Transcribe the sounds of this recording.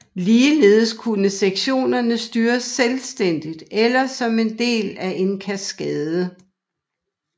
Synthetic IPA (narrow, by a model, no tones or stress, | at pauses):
liːle̝ːð̩ˠəskʰunəseɡ̥ɕo̝̰ːnɐnəsd̥yːɐselsd̥en̰d̥id̥elɐsɒ̽me̝nd̥e̝̰ːlæʔe̝nkʰæsɡ̥ɛːðˠə